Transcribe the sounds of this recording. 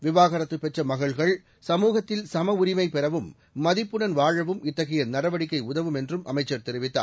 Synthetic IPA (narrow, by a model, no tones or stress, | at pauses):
ʋɪʋaːɣɐɾɐt̪ːɯpːɛʈt͡ʃrɐmɐɣɐɭɣɐɭ | sɐmuːɣɐt̪ːɪlsɐmɐʊɾɪmɐɪpɛɾɐʋɯmː | ɐðɪpːɯɽɐnʋaːɻɐʋɯmɪt̪ːɐɣɐjɐnɐɾɐʋɐɽɪkːɐɪʊðɐʋɯmɛndrɯmʔɐ̰mɐɪt͡ʃːɐɾt̪ɛɾɪʋɪt̪ːa̰ː